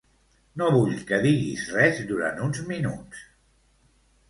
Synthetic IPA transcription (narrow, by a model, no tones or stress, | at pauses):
noβuʎkəðiɣḭzrɛzd̪uɾa̰nt̪unzminus